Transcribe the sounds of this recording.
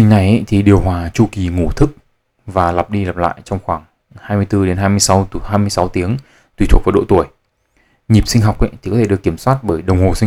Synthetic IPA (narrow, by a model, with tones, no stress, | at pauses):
ï˧ŋna˨˩jʔa̰˧˦jt̪ʰi˨˩ɗi˨˩əwɦwaː˨˩t͡ɕu˧ki˨˩ŋu˧˩t̪ʰɨ˦˥k̚ | vaː˨˩la˨˩p̚ɗi˧lə˨˩p̚la̰ː˧˨jt͡ɕɔ˧wŋ͡mxwaː˧˩ŋ | haː˧jmɨ˧əjt̪ɨ˧ɗe˨˦nɦaː˧jmɨ˧əjsa˨˦whaː˧jmɨ˧jsa˨˦wt̪i˨˦əŋ | t̪wi˧˩t̪ʰwk̚vːɗo̰˧˨t̪u˧˩əj | ɲi˨˩p̚sï˧ŋ̟ɦɔ˨˩wk͡p̚ʔa̰˧˥˦t̪ʰi˨˩kɔ˨˦t̪e˧˩ɗəkːi˧˩əmswaː˦˥t̚ɓəː˧˩jɗə˨˩wŋ͡mho˨˩si˧